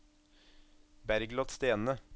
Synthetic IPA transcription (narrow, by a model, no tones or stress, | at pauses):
bæɾɡlɑt̪st̪eːnə